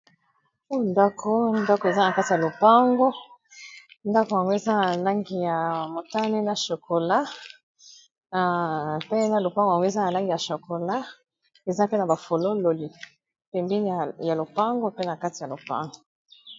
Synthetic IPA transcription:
e˦ndɔ˦kʰo˦ndɔ˦kɔ˨e˨za˦na˨ka˦ti˨ja˨lo˨pa˦ŋɡo˦ | nda˦ko˨ja˨ŋɡo˦e˨za˦na˨la˦ŋɡi˨ja˨mo˨ta˦ne˦na˨ʃo˨ko˨la˦˨ | pe˦na˦lo˨pa˦ɡo˨ja˨ŋɡo˦e˨za˦na˨la˦ŋɡi˨ja˨ʃo˨ko˨la˦ | e˨za˦pe˦na˨ba˨fo˨lo˦lo˨li˨ | pe˨mbi˦n˦ja˨lo˨pa˦ŋɡo˦pe˦na˨ka˦ti˨a˨lo˨pa̰˦ŋɡo˨

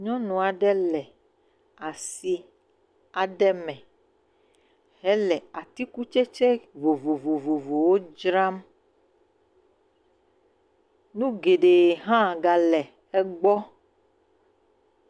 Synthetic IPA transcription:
ɲɔ̃˦nũ˨a˨ɖɛ˦lɛ˨ | a˨si˨ | a˨ɖɛ˦mɛ̃˨ | ɦɛ˦lɛ˨a˨t̪i˦ku˦t͡ʃɛ˦t͡ʃɛ˦vo˨vo˨vo˨vo˨vo˨wo˦d͡ʒɾa˦m | nũ˦ɡe˨ɖe˨ɦã˦˨ɡa˨lɛ˨ | ɛ˦ɡ͡bɔ˦

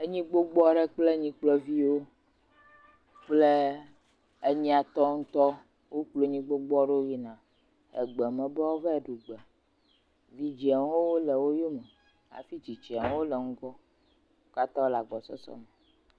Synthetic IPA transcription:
e˦ɲĩ˦ɡ͡bo˦ɡ͡bɔ˦ɖe˦k͡ple˦ɲĩ˦k͡plɔ˦vi˦wo˦ | k͡ple˦ | e˦ɲĩ˦a˨t̪ɔ˦ŋ̩̃˦t̪ɔ˦ | wo˦k͡plo˨˦ɲĩ˦ɡ͡bo˦ɡ͡bɔ˦ɖe˦o˦wi˦nã˨ | ḛ˨ɡ͡bɛ˨mɛ̃˨bɛ˦wo˦vɛ˦˨ɖu˨ɡ͡bɛ˨ | vi˦d͡ʒi˨˦a˨ŋ˦wo˦wo˦lɛ˨wo˦jo˦mɛ̃˨ | a̰˨fi˦t͡ʃi˨t͡ʃi˨a˨ŋ˦wo˦lɛ˨ŋ̩˦ɡɔ˦ | o˦ka˦t̪ã˦wo˦la˨ɡ͡bɔ˨sɔ̰˦sɔ̰˦mɛ˨

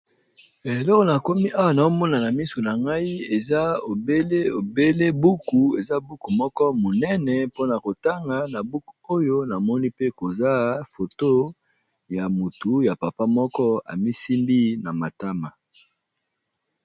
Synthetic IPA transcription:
e˨lɔ˦kɔ˨na˨ko˦mi˦ʔa˦wa˨na˨o˦mɔ˦na˨na˨mi˦so˨na˨ŋɡa˦i˦e˨za˦o˨be˦le˦o˨be˦le˦bu˦ku˨e˨za˦bu˦ku˨mɔ˦kɔ˦mo˨nɛ˦nɛ˨po˦na˨ko˨ta˦ŋɡa˨na˨bu˦ku̥˨o˦jo˦na˨mɔ˦ni˦pe˦ko˨za˦fo˨to˦ | ja˨mu˨tu˨ja˨pa˨pa˦mɔ˦kɔ˦a̰˨mi˦si˦mbi˦na˨ma˨ta˦ma˨

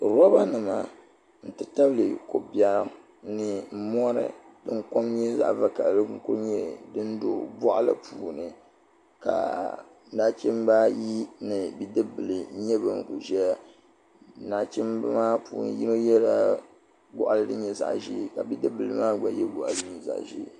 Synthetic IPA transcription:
ɾɔ˦ba˦nɨ˨ma˨ | n̩˨tɨ˨ta˦blɨ˨ko˨bja˦˨ | nɨ˨˦mɔ˦ɾɨ̰˨ | dɨ˦ŋko˦mɲɛ˦za̰˦˨ʔva˦ka˨lɨ˦ŋ̩˦ku˦ɾɲɛ˦dɨ˦n˦do̰˨bɔ˦ʔa˦lɨ̰˨pʰuː˨nɨ˨ | ka̰˨ | naː˦t͡ʃɛ˦mba˦ji˦nɨ˨bi˦dɨ˦bɨ˨lɨ˨˦ɲɛ˦bɨ˨ŋ˨kṵ˨ʒɛ˦ja˦ | na˦t͡ʃɛ˦mbmaː˦puː˨nɨ̰˨ji˦no˦jɛ˦ɾa˦ | ɡɔ̰˦ʔa˨lɨ˦dɨ˦ɲɛ˨za̰˨ʔʒi˦˨ka˨bi˦dɨ˦bɨ˨lɨ˨maː˦ɡ͡ba˨jɛ˦ɡ͡bɔ˨ʔa˨lɨ˦ɲi˨za̰˨ʔʒḭ˦˨

